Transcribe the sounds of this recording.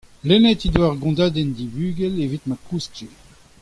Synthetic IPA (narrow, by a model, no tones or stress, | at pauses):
lɛnɛt̪id̪waʁɡɔ̃d̪aːd̪ɛnd̪ibyːɡɛlevit̪makʰuste